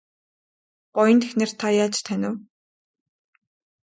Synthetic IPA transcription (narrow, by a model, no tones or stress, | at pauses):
ɢ̥ɔjə̆nt̪ʰexneːrt̪ʰajaːt͡ɕt̪ʰːænʲɪ̆w